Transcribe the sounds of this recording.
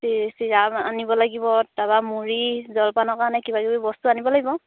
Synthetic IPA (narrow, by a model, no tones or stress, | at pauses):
tisiɹaba̰nibɔlaɡibɔdabamuɹizɔlpanɔkaɹnɛkibaɡibubɔstuanibɔlaɡibɔ